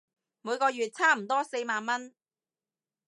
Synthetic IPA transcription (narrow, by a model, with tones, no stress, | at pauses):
muː˨˧jkɔː˧jyː˨t̚t͡sʰaː˥m̩˨˩t̪ɔː˥se˧jmaː˨˧nmɐ˥n